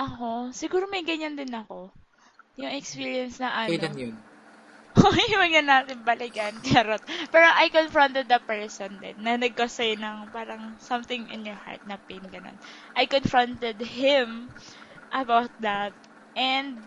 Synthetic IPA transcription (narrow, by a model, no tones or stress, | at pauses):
ʔɐko̞sɪɡuːɾomɐjɡɐɲand̪ɪnɐko̞ | jʊŋɛkspiɹjɐnsnɐʔɐ | ʔojɪwɐɐnːaːt̪ɪnbɐlɪɡɐnkɛɾot̪̚pɛːɾoʔajkonfɹõnt̪ɛd̪̚ːɐpɛɹsond̪ɛ̰nːɐnɐɡ̚kɐsajnɐŋpaːɾɐŋsɐmt̪ɪŋɪ̰njɔɹha̰ɹt̪̚nɐpejnɡɐno̰nʔɐjkonfɹont̪ɛd̪̚hɪm | ʔɐbawt̪̚d̪ɐt̪̚ | ʔɛnd̪̚